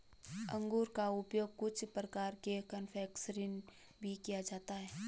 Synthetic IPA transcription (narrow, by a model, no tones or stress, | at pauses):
ə̃ŋɡuːɾkaʊpjoːɡ̚kʊt͡ʃʰpɾəkaːɾkekənfʰɛːksəɾɪn | bʱikijad͡ʒaːt̪aɦɛː